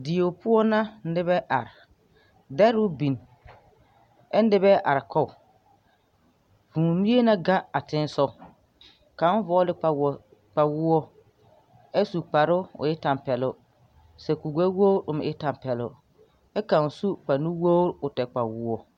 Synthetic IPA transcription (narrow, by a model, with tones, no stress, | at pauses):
dɪ˨o˨pʊ˦ɔ˦na˦n̩˦dɪ˦bɛ˦ʔa̰˨ɾɪ˨ | dɛ˦ɾʊ˦bi˨n | ɛ˦n˦dɪ˦bɛ˦ʔa̰˨ɾɪ˨kʰɔ˦˨ | vũː˨mi˦e˦na˦ɡa˦a˨tɪ˦n˦sɔ˦ | ka˨˦vɔː˦lɪ˦a˨ | k͡pa˨wʊ˦ɔ˦ | ɛ˦su˨k͡pa˨ɾʊ˦ʊ̰˨jɪ˦ta˨mpɛ˨lʊ˦ | sɛ˨ku˨ɡʷɛ˦wo˦ɾʊ˨mɪ̰˨ɪ˦ta˨m˨pɛ˨lʊ̰˦ | ɛ˦ka˨n˨su˦k͡pa˨nu˦wo˦ɾʊ˨tɛ˨k͡pa˨wʊ˦ɔ˦